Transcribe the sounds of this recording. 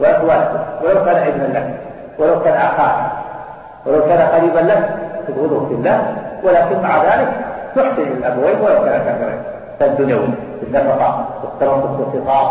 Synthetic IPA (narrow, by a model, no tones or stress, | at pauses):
waʔakwaːlkʊwɪlawkaːnaʔɪd̪nanlak | wɪlawkaːnʔaxaːɾɪ | wɪlawkaːnaqɑɾiːbanlakt̪ɪbɣʊd̪ˤhʊfɪlːaːhwɪlaːkɪnmaʕaðaːlɪkt̪ʊħsɪnlalʔabaweːnwɪlawkaːnak̪afɪɾˤɑ̰ | kad̪ʊnjawiː | fɪlːafɑt̪ˤɑːʔwɪt̪ːɑɾˤɑtˤːʊt̪wɪlfɨt̪ˤɑː